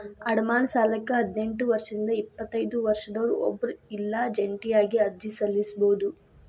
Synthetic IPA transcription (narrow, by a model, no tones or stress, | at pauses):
ɐɽɐmaːnɐsaːlɐkːɐɦɐd̪ne̞ɳʈuʋɐɾʂɐɾind̪ɐipːɐt̪ːɐjd̪uʋɐɾʂɐd̪ɐʋɾuɔ̰bːɐɾuilːɐd͡ʒeɳʈijaːɡiɐɾd͡ʒisɐlːisboːud̪u